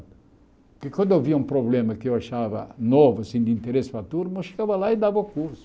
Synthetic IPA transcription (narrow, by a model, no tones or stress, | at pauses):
kɪkwɐ̃nd̪ewviɐũpɾoblẽmɐkɪewaʃavɐ̰novʊasĩd̪ɪĩnt̪eɾesɪ̥pɾat̪uɾnueʃe̥ɡavɐlaɪd̪avɐʊkuɾsʊ̥